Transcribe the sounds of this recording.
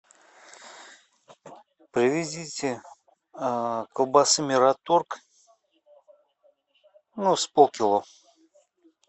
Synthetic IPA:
pɾʲɪvʲɪdʲitʲɪ | kəlˠbasɨmʲɪɾat̪urk | nuspokʲɪlˠo

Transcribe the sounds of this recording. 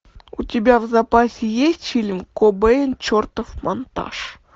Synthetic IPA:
ṵtʲɪbʲavzapasʲɪjesʲtʲfʲilʲmkobɛɪnt͡ɕort̪əfmont̪a̰ʂ

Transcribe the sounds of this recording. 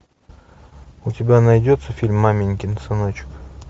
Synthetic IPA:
ʊtʲɪbʲanɐjdʲot̪səfʲilʲmːamʲɪnʲkʲɪnəsɨnot͡ɕɪ̥k

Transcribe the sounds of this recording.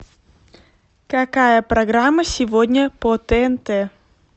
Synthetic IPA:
kɐkajəpɾɐɡɾamːəsʲɪvodʲnʲəpot̪ɛɛnt̪ɛ

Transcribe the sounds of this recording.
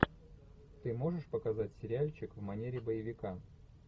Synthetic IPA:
t̪ɨmo̞ʐɨʂpəkɐzatʲsʲɪɾʲalʲt͡ɕɪkvmɐnʲeɾʲɪbəjɪvʲɪka

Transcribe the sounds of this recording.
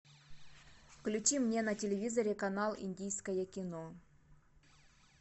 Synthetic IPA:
fklʲʉt͡ɕimnʲenɐtʲɪlʲɪvʲizɐɾʲɪkɐnalˠḭnʲdʲijskəjəkʲɪno

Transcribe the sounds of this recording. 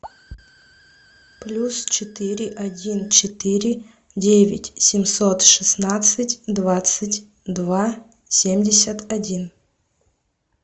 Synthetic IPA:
plʲust͡ɕɪt̪ɨɾʲɪʔɐdʲint͡ɕɪt̪ɨɾʲɪ | dʲevʲɪ̰tʲsʲɪmsot̪ʂɨsnat̪sɨtʲd̪vat̪sɨtʲ | d̪va | sʲemʲdʲɪsʲət̪ɐdʲin

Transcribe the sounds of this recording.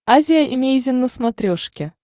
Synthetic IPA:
azʲɪjaʔimʲejzʲɪnːəsmɐt̪ɾʲoʂkʲɪ

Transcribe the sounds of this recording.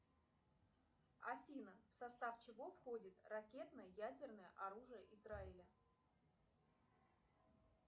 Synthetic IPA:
ɐfʲinəfsɐst̪aft͡ɕɪvo̞fxodʲɪt̪rɐkʲe̞t̪nəjəjædʲɪrnəjə̰ʔɐɾuʐɨjəʔɪzraɪlʲə

